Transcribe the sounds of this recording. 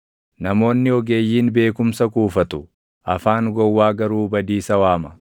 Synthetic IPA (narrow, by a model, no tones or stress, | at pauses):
nɐmo̞ːnːɪɔɡe̞ːjːiːnbe̞ːkʊmsɐkuːfɐt̪ʊ | ʔɐfaːŋɡɔwːaːɡɐɾuːbɐd̪iːsɐwaːmɐ